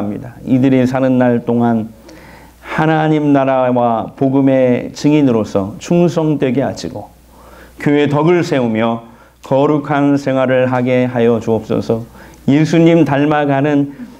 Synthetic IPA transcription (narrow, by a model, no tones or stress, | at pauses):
mɲḭdaidɯɾisʰanɯnːaɭt͈oŋan | hanaɲimnaɾawapoɡɯme̞t͡ɕɯŋinɯɾosʰʌt͡ɕʰuŋsʰʌŋdwe̞ɡe̞ad͡ʑiɡo | kjoe̞tʌɡɯɭsʰe̞umjʌ | kʌɾukʰansʰe̞ŋwaɾɯɭɦaɡe̞ɦajʌd͡ʑuʌp̚s͈ʌ̰sʰʌjesʰuɲimtaɭmaɡanɯn